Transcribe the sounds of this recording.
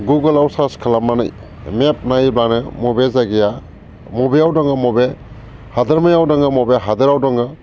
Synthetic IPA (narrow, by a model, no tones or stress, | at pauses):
ɡuɡɯlawsaskʰalamːanɯ̰j | mep̚najbanɯmɔbezaɡija | mɔbejawdɔŋɯmɔbe | hadɯɾmajawdɔŋɯmɔbeɦadɯɾawdɔŋɯ